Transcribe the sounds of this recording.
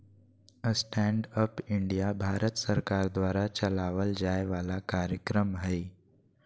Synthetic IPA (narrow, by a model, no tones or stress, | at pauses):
əsʈæɳɖəpiɳɖijabʱaɾət̪səɾkaɾd̪ʋaɾat͡ɕəlaʋəld͡ʑajʋalakaɾjəkɾəmɦəj